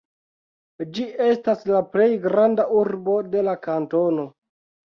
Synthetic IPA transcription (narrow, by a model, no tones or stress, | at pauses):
d͡ʒie̞staslaple̞jɡɾandaʔuɾbo̞de̞lakanto̞no̞